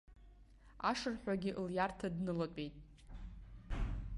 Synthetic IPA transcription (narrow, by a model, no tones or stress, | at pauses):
a̰ʂɨrħᶣʷaɡʲɪʔljartʰadnɨlatʷʼejtʼ